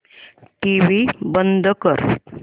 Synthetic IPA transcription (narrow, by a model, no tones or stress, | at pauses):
ʈiʋibənd̪ʱkəɾ